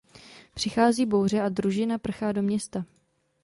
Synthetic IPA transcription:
pr̝̥ɪxaːziːbo̞wr̝ɛʔadɾuʒɪnapr̩xaːdo̞mɲɛst̪a

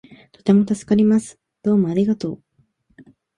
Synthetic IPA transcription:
t̪o̞t̪e̞mo̞t̪asɨ̥kaɾʲimasɨ̥ | d̪̥o̞ːmo̞aɾʲiɡat̪o̞ː

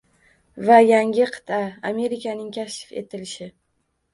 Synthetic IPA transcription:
vajaŋʲɪqʰɨ̥t̪ʰaame̞ɾɪkʲʰanɪŋkʲʰaʃɪfe̞̰t̪ʰɪlɪʃɪ

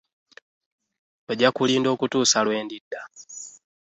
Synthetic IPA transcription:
oɟakuliːndo̞ːkutuːsalwe̞ːndidːa

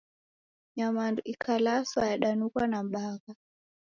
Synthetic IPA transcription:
ɲamanduʔikʰalasajaɗanukwanamɓaɣa

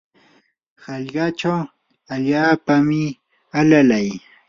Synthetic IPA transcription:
hɑʎɢɑt͡ʃaw | aʎaːpamɪ | alalaj

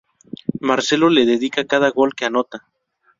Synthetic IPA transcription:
maɾse̞lo̞leðeðikakaðaɣo̞lkeano̞t̪a

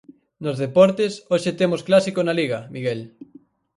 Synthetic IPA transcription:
nozðepɔɾt̪esoʃet̪emosklasikonaliɣɐmiɣel

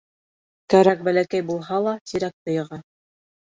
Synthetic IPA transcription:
kæɾæk̚bælækæjbulˠɦɑlˠɑt̪iɾæk̚t̪ɤ̆jɤ̆ʁɑ

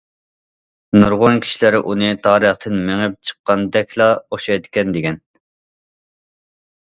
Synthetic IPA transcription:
nuɾʁonkʲʰi̥ʃilɪɾʔunɨt̪ʰɑːɾəχt̪ʰɨnmeŋɪp̚t͡ʃʰə̥qːɑnd̪ɛkʲʰlˠɑoʃɑjd̪ɪkʲɛnd̪ɪɡʲɛn

